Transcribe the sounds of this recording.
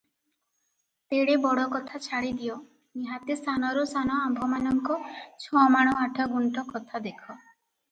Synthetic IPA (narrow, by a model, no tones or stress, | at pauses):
t̪eɽebɔɽɔkɔt̪ʰat͡ʃʰaɽid̪iɔ | niɦãt̪est̪anɔɾusanɔambʱɔmanɔŋkɔt͡ʃʰɔmaɽ̃ɔaʈʰɔɡuɳʈɔkɔt̪ʰad̪ekʰɔ